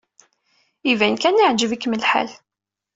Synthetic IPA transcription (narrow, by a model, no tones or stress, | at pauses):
ivænkænaʕd͡ʒəvikːməlħa̰l